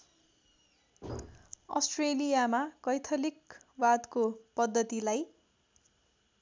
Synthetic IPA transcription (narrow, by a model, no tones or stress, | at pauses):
ʌ̰sʈrelijamakʌjt̪ʰʌlikbad̪kopʌd̪ːʌt̪ilaj